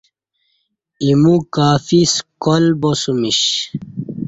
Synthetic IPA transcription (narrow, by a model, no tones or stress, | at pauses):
imukaːfiskolbosumiɕ